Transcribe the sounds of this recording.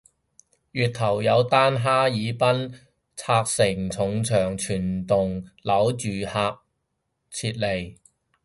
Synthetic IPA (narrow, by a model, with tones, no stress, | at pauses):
jyː˨t̚t̪ʰɐ˨˩wjɐ˨˧wt̪aː˥nɦaː˥jiː˨˧˥pɐ˥n | t͡sʰaː˧k̚sɪ˨˩ŋt͡sʰʊ˨˧ŋt͡sʰœː˨˩ŋt͡ʃʰyː˨˩nt̪ʊ˨ŋlɐ˨˥wt͡ʃyː˨˩haː˧k̚ | t͡sʰiː˧t̚le˨˩j